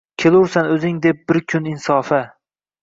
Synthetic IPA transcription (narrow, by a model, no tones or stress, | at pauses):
kʲʰelˠʊɾsanɵzɪŋd̪ep̚bɪɾkʲʰʊnɪnsɒːfa